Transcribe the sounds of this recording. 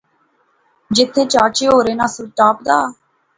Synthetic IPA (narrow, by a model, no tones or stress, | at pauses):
d͡ʒɪt̪ʰːeːt͡ʃaːt͡ʃeːɦoːɾeːnãːsʊʈaːpd̪aː